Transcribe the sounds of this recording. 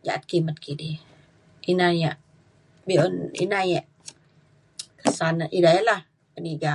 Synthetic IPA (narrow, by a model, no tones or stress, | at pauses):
d͡ʒa̰ʔat̪̚kimət̪̚kidi | ʔinajaʔ | bionḭnajaʔ | kəsanaʔidajalah | pəniɡa